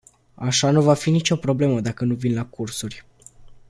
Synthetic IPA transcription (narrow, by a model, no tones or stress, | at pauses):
aʃanuvafinit͡ʃo̞pɾo̞ble̞məd̪akənuvinlakursurʲ